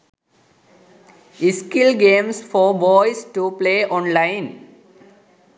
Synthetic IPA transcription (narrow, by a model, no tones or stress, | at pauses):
ɪskɪlɡẽːmsfɔɾbɔːɪsʈupleːɔ̃ːnlãɪ̃n